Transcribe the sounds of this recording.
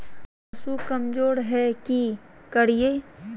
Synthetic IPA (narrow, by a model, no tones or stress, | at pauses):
sukɐmd͡ʒoːɽɦɛkikɐɽijeː